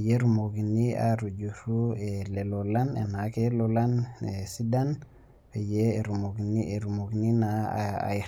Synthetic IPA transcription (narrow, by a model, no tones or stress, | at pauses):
jeɾumoɡinia̰ɾud͡ʒuɾuelelolanḛnakelolanesidan | pejeɾumoɡinieɾumoɡininaa̰j